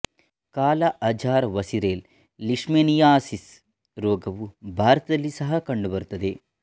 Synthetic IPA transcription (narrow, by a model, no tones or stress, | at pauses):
kaːlɐʔɐd͡ʒaːɾʋɐsiɾeːlː | iʂmeːnijaːsis | ɾoːɡɐʋubʱaːɾɐt̪ɐd̪ɐlːisɐɦɐkɐɳɖubɐɾut̪ːɐd̪e